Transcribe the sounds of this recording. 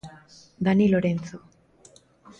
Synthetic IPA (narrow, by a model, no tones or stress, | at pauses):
d̪aniiloɾent͡su